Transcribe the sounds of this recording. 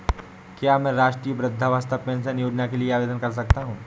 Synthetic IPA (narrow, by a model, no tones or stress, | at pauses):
kjaːmɛ̃ːɾaːʃʈɾiːjəbɾɪd̪ʱːaʋaːst̪əʋpẽːnsənjoːd͡ʒnakelieaːʋeːd̪ənkɐɾs̬ɐk̚t̪aɦũː